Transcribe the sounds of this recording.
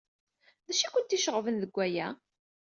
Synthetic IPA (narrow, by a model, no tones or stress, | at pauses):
ðæʃækʷʊnt̪iʃəʁvənðəɡʷːæjæ